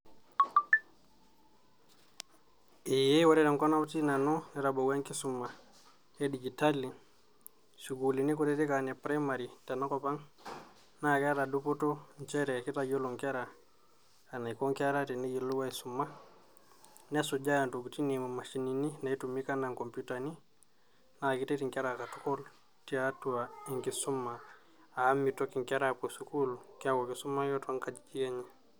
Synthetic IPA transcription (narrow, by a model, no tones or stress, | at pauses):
ɛjɛwaɾɛɾaŋkɔnawtinanɔnɛɾabɔwaŋkisumːa | ɛdid͡ʒitali | suɡulinikutɛtikanɛpɾɛmaɾitanakɔpaŋ | nakɛɾadupɔtɔɲt͡ʃɛɾɛkitaɟɔluŋkɛɾa | anaikoŋkɛɾatiniɡilːuwaisumːa | nesud͡ʒajantoɡutinimamaʃinininaitumikanaŋkomputani | nakitetiŋkɛɾakatukol | tiatuaiŋkisumːa | aːmːitokiŋkɛɾaposukulkakokisumːajotaŋkad͡ʒit͡ʃiɛɲɛ